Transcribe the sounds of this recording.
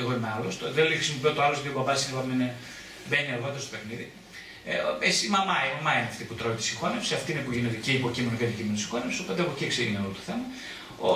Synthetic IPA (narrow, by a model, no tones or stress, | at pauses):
eɣo̞inealost̪oðexɾisimopiot̪oɐlozet̪iobɐbɐsiepɐmene | beniɐɾɣo̞t̪eɾost̪pe̞xniði | esi̥imɐmɐimɐmɐineɐft̪iput̪ɾoit̪i̥sixonefsiɐft̪iineikoʝinet̪eciipocimenoceɐðicimenusi̥xo̞nefsiso̞po̞t̪eexocieksiʝiniolot̪oθemɐ | o